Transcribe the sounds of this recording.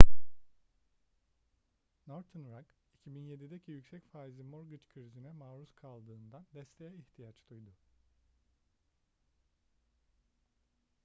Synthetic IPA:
noɾt̪ʰɯnɾak | icʰibinje̞d̪id̪ecʰijycsɛcfaːizimo̞ɾɡɯt͡ʃkʰɯɾizinɛmaːɾuskʰalˠd̪ɯːnd̪and̪ɛst̪ʰejɛiçt̪ʰijat͡ʃd̪ujd̪ʊ

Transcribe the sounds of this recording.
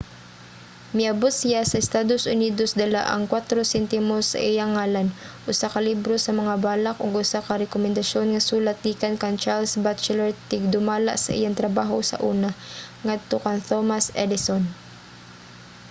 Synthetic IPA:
mɪʔɐbot̪sɪjasɐɪst̪aːd̪osʔʊniːd̪o̞sd̪ɐla̰ʔɐ̰ŋkwat̪ɾosɛnt̪ɪmosːɐ̰ʔɪjaŋaːlanʔʊsakɐlibɾo̞sɐmɐŋabaːlakʔoɡʔʊsakɐɾɛkomɛnd̪ɐʃjo̞nŋɐsuːlat̪̚ːiːkɐnkɐŋt͡ʃalsbat͡ʃɛlɛɹt̪ɪɡ̚d̪ʊmaːla̰ʔsɐ̰ʔɪ̰jaŋt̪ɾɐbaːɦosɐ̰ʔuːnaŋad̪̚t̪okɐŋt̪omasɛd̪ɪson

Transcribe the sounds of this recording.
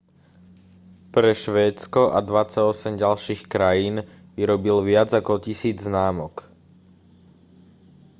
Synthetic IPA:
pɾɛʃʋɛːt͡skɔʔad̪ʋat͡saɔsɛmɟalʃiːxkɾajiːn | ʋiɾɔbilʋɪad͡zakɔcisiːd͡zznaːmɔk

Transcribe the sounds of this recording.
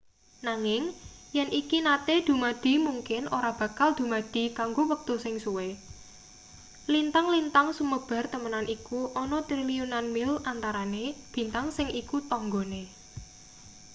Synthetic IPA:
naŋɪŋjɛnʔikinat̪ed̪̥ṳmad̪̥i̤muŋkɪnʔo̰ɾab̥ä̤kald̪̥ṳmad̪̥i̤kaŋɡowək̚t̪usɪŋsuwe | lint̪aŋlint̪aŋsuməb̥a̤rt̪əmənanʔikuʔɔnɔt̪ɾiliunanmɪlant̪aɾaneb̥i̤nt̪aŋsɪŋikut̪ɔŋɡone

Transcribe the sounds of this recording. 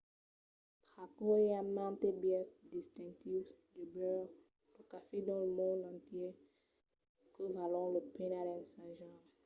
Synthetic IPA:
pakoeamãt̪ebjɛsd̪ist̪ɛ̃ŋk̚t̪ivd̪ybøʁ | ləkafed̪ɔ̃ləmɔ̃ndɑ̃t̪je | kəvalɔ̃ləpenadɛ̃nsãʒã

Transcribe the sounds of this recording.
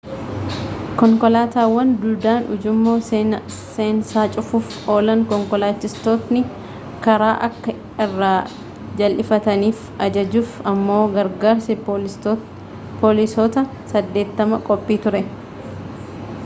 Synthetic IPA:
kɔŋkɔlaːt̪aːwːɐnd̪ʊd̪aːnʊ̰d͡ʒʊmːo̞ː | seːnsaːt͡ʃʼʊfuːfʔo̞ːlɐŋkɔŋkɔlaːt͡ʃːɪst̪o̞ːt̪nɪ | kɐɾaːʔɐkːɐ | ɪrːaː | d͡ʒɐlʔɪfɐt̪ɐniːf | ɐd͡ʒɐd͡ʒuːfɐmːo̞ːɡɐɾɡaːɾsɛ | pɔlɪsoːt̪ɐ | sɐd̪ːe̞ːt̪ːɐmɐkʼɔpʼːiːt̪ʊɾɛ

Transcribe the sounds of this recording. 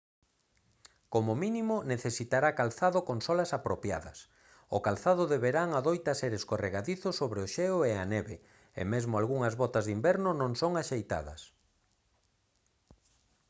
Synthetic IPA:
komʊminimʊneθesit̪aɾakalθaðokoŋsɔlɐsapɾopja̰ðɐ̰s | ʊkalθaðʊðeβeɾaŋaðojt̪ɐseɾeskoreɣaðiθʊsːoβɾeoʃɛoeaneβe | ḛmezmoalɣuŋɐzβɔt̪azðimbɛɾnʊnõŋsoŋaʃejt̪a̰ðɐ̰s

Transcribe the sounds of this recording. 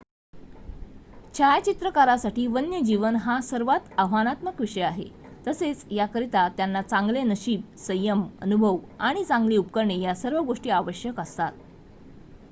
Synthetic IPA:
t͡ɕʰajt͡ɕit̪ɾəkaɾasaʈiːʋənjəd͡ʑiʋənɦasəɾʋat̪əɦʋanat̪məkʋiʂəjaɦḛ | t̪əset͡sjakəɾit̪at̪janːat͡saŋɡlenəɕiːb̚ | səjəmə̰nubʱəʋaɽ̃it͡sãŋɡliːupkəɾɳejasəɾʋəɡoʂʈiːaʋəɕjəkəst̪at̪̚

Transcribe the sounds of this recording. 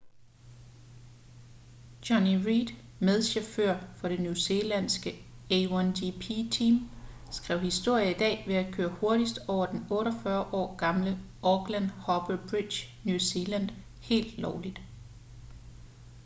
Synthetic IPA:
dɒniʁid̥ | með̞ˠɕeføɐ̰fɒ̽ɾ̥e̝njuse̝læn̰sɡ̥ə | eændipʰit͡sʰiːm | sɡ̥ʁɛʊ̰hisd̥o̝ɐ̰jɐid̥ɛ̰ːʋe̝ækʰøːɐho̝ɐɾisd̥ɒʊ̰ɐd̥enɔ̽ːɾɒfɶɐʔɒ̰ːɡ̥ɑ̈mlə | ʔɒɡ̥lænhɒ̽b̥əb̥ʁid̥ɕnjusiːlæn̰d̥ | he̝̰ːld̥lɒʊlid̥

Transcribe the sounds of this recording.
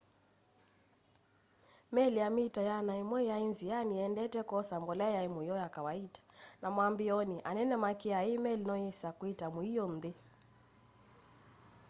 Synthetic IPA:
mɛliamitajanaimwɛainzijaniɛndɛtɛkɔsambɔlɛjaimujɔjakawaitḁnamwambiɔniʔa̰nɛnɛmakiaimɛlinɔjɛsakwitamuijɔnde

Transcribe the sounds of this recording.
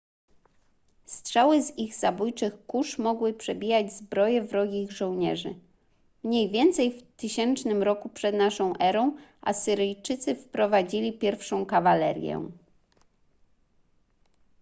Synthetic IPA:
st̪ʂawɘziɣzabujt͡ʂɘxkuʂmɔɡwɘpʂɛbʲijad͡ʑzbɾɔjɛvɾɔɡʲiɣʐɔ̃w̃ɲɛ̰ʐɘ | mɲejvʲjɛnt̪sɛjft̪ɘɕɛnt͡ʂnɘmɾɔkupʂɛd̪naʂɔ̃w̃ʔɛɾɔ̃w̃ʔa̰sɘɾɘjt͡ʂɘt̪sɘfpɾɔvad͡ʑilʲipʲjɛɾfʂɔ̃w̃kavalɛ̰ɾʲjɛ̰

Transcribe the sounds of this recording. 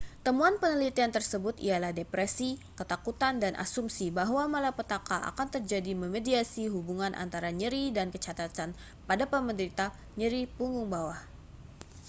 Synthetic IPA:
t̪əmuanpənəlit̪iant̪ərsəbʊt̪ḭalahdepɾɛsikət̪akut̪andanʔa̰sumsibaɦwamalapət̪akaʔa̰kant̪ərd͡ʒadiməmediasiɦubuŋanʔa̰nt̪aɾaɲəɾidankət͡ʃat̪at̪an | padapəməndəɾit̪a | ɲəɾipuŋɡʊŋbawah

